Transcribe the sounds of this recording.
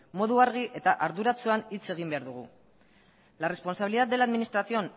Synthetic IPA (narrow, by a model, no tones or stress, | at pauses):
mo̞ðuaɾɣ̞iʔe̞t̪aʔaɾðuɾat͡suanit͡se̞ɣ̞imbe̞aɾðuɣ̞ṵ | lare̞spo̞nsaβiliðat̪d̪e̞laðminist̪ɾasio̞n